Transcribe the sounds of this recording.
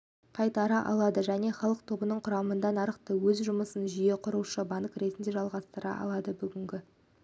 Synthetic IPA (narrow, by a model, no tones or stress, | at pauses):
qʰɑjt̪ɑɾɑʔɑ̰lˠɑd̪əʒæne̞χɑlˠəq̚t̪ʰo̞bənəɴqʰʊɾɑmənd̪ɑnɑɾəqt̪əwɵzʒʊməsənʒʏje̞qʰʊɾuʃəbɑnəkɾe̞t̪ɪnd̪e̞ʒɑlˠʁɑst̪əɾɑ̰ʔɑ̰lˠɑd̪əbʏɡʲɪŋɡʲɪ